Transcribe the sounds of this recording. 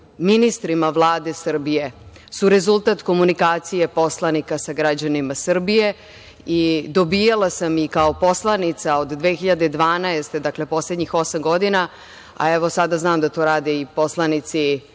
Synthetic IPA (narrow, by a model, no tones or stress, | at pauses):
minist̪ɾimaʋlˠaːd̪e̞sr̩bije̞ | suɾe̞zulˠt̪at̪ko̞munikaːt̪sije̞po̞slanikasaɡɾad͡ʑanimasr̩bije̞ | id̪o̞bijalasamikao̞po̞slˠanit̪saod̪d̪ʋexiʎad̪ed̪ʋaːnaest̪ed̪akle̞po̞sledɲixo̞samɡo̞d̪ina | a̰eʋo̞sad̪aznaːmd̪at̪oːɾaːd̪eipo̞slˠanit̪si